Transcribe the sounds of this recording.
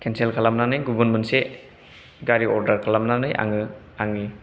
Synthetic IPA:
kʰenselkʰalamnanɯjɡubunmɯnse | ɡaɾiɔɾdaɾkʰalamnanɯjʔa̰ŋɯ | aŋi

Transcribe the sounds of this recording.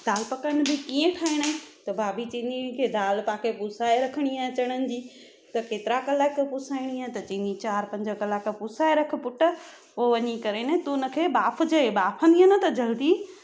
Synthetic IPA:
d̪̥aːlpɐkənɪ̆bʱɪkiẽʈʰaːɪɽ̃aẽt̪ɐbaːbit͡ɕĩnikʰed̪aːlpakʰepusaːeɾɐkʰəɽ̃iaːt͡ɕɐɽ̃ənɪ̆d͡ʑiː | t̪ɐkeːt̪ɪɾakɐlakːpʊsaːɪɽ̃iãt̪ɐt͡ɕĩnit͡ɕaːɾpɐ̃ɲd͡ʑəkɐlaːkpusaːeɾɐkʰə̆pʊʈə | oʋɐɲikɐɾenẽt̪unə̆kʰebaːpʰd͡ʑɐebaːpʰə̃nd̪iɦənət̪ɐd͡ʑɐld̪i

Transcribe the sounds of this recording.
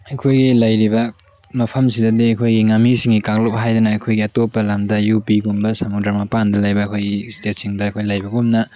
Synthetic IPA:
ɐkʰojɡilɐjɾiβɐ | mɐpʰɐmsidɐdiɐkʰojɡiŋamisiŋɡikak̚lop̚ɦajdɐnɐːkʰojɡiɐtopːɐlamdɐjupiɡumbɐsɐmudaɾmɐpandɐlɐjbɐːkʰojɡistetsiŋdɐɐkʰojlɐjbɐɡumnɐ

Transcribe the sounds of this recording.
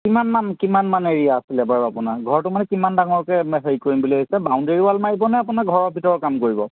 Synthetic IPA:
kimanmankimanmaneɹijaːsilɛbaɹapunaɡʱɔɹtʊmanɛkimandaŋɔɹɔkɛmɛɦeɹikoɹimbuliɦojsɛbawndeɹiwalmaɹibɔnɛapunaɡʱɔɹɔɹbʱitɔɹɔɹkamkoɹibɔ

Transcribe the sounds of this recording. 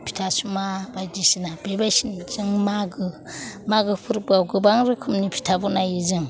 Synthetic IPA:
pʰi̥tʰasumabajdisinab̥ebajsinziŋmaɡɯ | maɡɯpʰɯɾbɯawɡɯbaŋɾɯkʰumnipʰi̥tʰabunajizɯŋ

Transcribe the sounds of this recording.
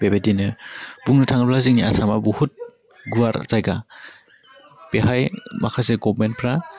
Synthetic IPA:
b̥ebedinɯbuŋnɯtʰaŋɯplaziŋnia̰samabuhut̚ | ɡuwaɾ̰z̥ajɡa | peɦajma̰kʰaseɡɔbment̚pʰɾa

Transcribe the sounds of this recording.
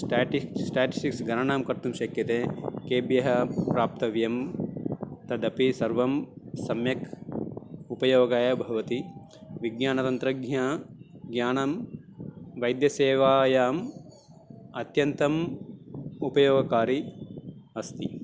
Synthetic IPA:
sʈaːʈisʈaːʈi̥sʈiksɡɐɾɐɳaːmkɐɾt̪umʃɐkjɐt̪eːkeːbjɐɦɐpɾaːp̚t̪ɐʋjɐm | t̪ɐd̪ɐpisɐɾʋɐmsɐmjɐk | upɐjoːɡaːjɐbʱɐɐʋɐt̪i | ʋiɡɲaːnɐt̪ɐnt̪ɾɐɡɲaɡjaːnɐm | ʋɐjd̪jɐseːʋaːjaːm | ɐt̪jɐnt̪ɐm | upɐjoːɡɐkaːɾi | ɐst̪i

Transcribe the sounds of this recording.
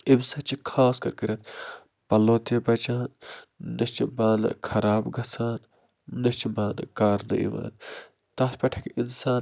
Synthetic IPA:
ibsɐt͡ʃikʰaːskɐɾkəɾɐt̪̚ʰ | pɐlːõːt̪epɐt͡ʃaːnːɐst͡ʃibaːnɨ̰kʰɐɾaːbɡʱɐsaːnː | ɐst͡ʃibaːnɨ̰kaːɾnɨ̰ʔḭʋa̰ːn | t̪ɐːspɐʈʰɐkinsaːn

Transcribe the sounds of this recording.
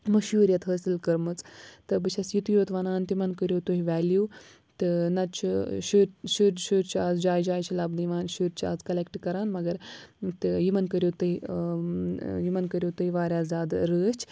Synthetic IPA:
mɐʃɦuːɾijɐt̪ɦəːsilkɐɾmɨt͡st̪ɨbɨt͡ʃʰɐsjit̪joːt̪ʋɐnaːnt̪imɐnkəɾjoːt̪uɦiʋaːljuː | t̪ɨnɐt͡ʃʰiʃuɾʃuɾʃuɾt͡ʃʰiaːzd͡ʒaːjd͡ʒaːjt͡ʃʰilɐbnɨjʋaːnʃuɾt͡ʃʰia̰ːzkɐlekʈkɐɾaːnmɐɡɐɾt̪ɨjimɐnkəɾʲjoːt̪ɨɦi | jimɐnkəɾʲjoːt̪uiʋaːɾʲjaːzʲjaːd̪ɾəːt͡ʃʰ

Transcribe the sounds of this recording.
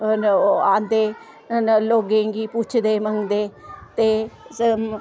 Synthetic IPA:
nãːnd̪eː | nloːɡẽɡiːpʊt͡ʃʰd̪eːməŋɡd̪eːt̪eː

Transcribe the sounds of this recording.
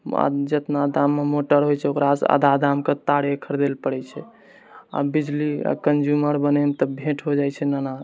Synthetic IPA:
a̰d͡ʒət̪nad̪amːemoʈəɾɦojt͡ʃʰɛokɾasa̰d̪ad̪amket̪aɽekʰəɾd̪elpəɽɛt͡ʃʰɛ | a̰bid͡ʒlia̰kənd͡ʒuməɾbənɛmet̪ɔbʱeʈʰɦod͡ʒajt͡ʃʰɛnana

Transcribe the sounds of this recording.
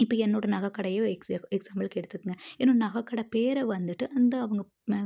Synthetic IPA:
ɪpːɐːɛnːoːɽɐnɐɣɐkːɐɽɐjõɛksaːmɐlkːɛɽɯt̪ːɯkːɯŋɡɐɛnːoːɽnɐɣɐkːɐɽɐpeːɾɐʋɐnd̪ɯʈːɯʔɐnd̪ɐːʋɐŋɡɐ

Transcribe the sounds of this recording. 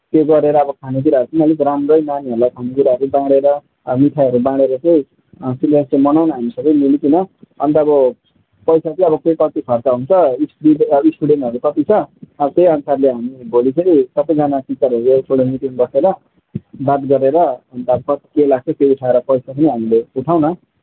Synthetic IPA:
t̪jeɡʌɾeɾʌːbʌkʰanok̬uɾaɦʌɾut͡sʰiniʌlikɾamrʌjnaniʌɾulajkʰanok̬uɾaɦʌɾubãɽeɾʌ | miʈʰajɦʌɾubãɽeɾʌt͡sʌj̃ | silast͡semʌnawnʌɦamisʌɡʌjmilikʰinʌʌ̰nt̪aːbʌ | pʌjsat͡sĩʌbʌkekʌt̪ipʰʌrt͡saɦunt͡sʰʌispɽiisʈuɽenʈɦʌɾukʌt̪it͡sʰʌːbʌt̪ejʌnsʰarleɦamibolit͡sʰʌisʌbʌjd͡zanapit͡sʌɾʌɾuleʈʰoɽomiʈ̪inɡʌseɾʌ | d̪at̪ɡʌɾeɾʌːnt̪aʌbʌkʌt̪kelaɡ̚t͡sʰʌkeuʈʰaeɾʌpʌjsapʌniɦamileuʈʰawnʌ

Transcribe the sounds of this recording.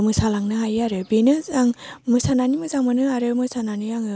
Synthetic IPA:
mɯsalaŋnɯɦajaɾɯbenɯaŋmɯsananimɯzaŋmɯnɯaɾɯmɯsananijaŋɯ

